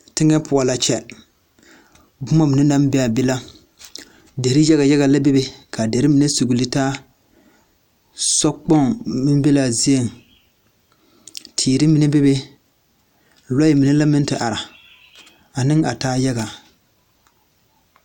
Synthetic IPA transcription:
tɪ˦ŋɛ˦pʊ˨a˨la˨t͡ʃɛ˦ | bʊ˦ma˦mɪ˨nɛ˦na˦m˦bɛ˦a˨be˦la˦ | de˨ɾi˦jɣa˨jɛ˦ɣa˨la˦be˦be˦kʰa˨de˨ɾɨ˦mi˨nɛ˦su˨ɡu˨li˦taː˦ | sɔ˦k͡pɔ˦ŋmɨ˦n˦be˦la˨zi˦e˨ŋ | tʰiː˨ɾɪ˦mi˨nɛ˦be˦be˦ | la˦ji˨mɪ˨nɛ˦la˦mɪ˦n˦tɨ˨ʔa˨ɾa˨ | a˨nɨ˦ŋa˨taː˦ja˦ɡa˨

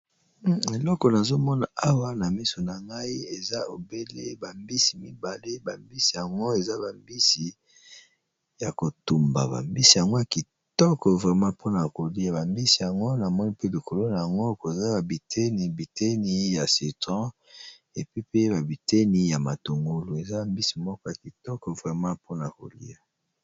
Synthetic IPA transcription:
e˨lɔ˦kɔ˨na˨zo˦mɔ˦na˨a˦wa˦na˨mi˦so˨na˨ŋɡa˦i˦e˨za˦o˨be˦lḛ˦ba˨mbi˦si˨mi˦ba˨le˦ba˨mbi˦si˨ja˨ŋɡo˦e˨za˦ba˨mbi˦si˨ | ja˨ko˨tu˨mba̰˨ba̰˨mbi˦si˨ja˨ŋɡo˦ja˨ki˨ | tɔ˦kɔ˨vʁɛ˨mã˦pʰo˦na˨ko˨li˦a˨ba˨mbi˦si˨ja˨ŋɡo˦na˨mɔ˦ni˦pe˦li˨kʰo˨lo˦na˨a˨ŋɡo˦˨ko˨za˦ba˨bi˨tʰe˦ni˨bi˨te˦ni˦ja˨se˨tã˦ | e˨pi˦pe˦ba˨bi˨te˦ni˦ja˨ma˨to˨ŋɡo˦lu˨e˨za˦ba˨mbi˦si˨mɔ˦kɔ˦a˨ki˨tɔ˦kɔ˨vʁɛ˨mã˦pʰo˦na˨ko̰˨lḭ˦ja˨

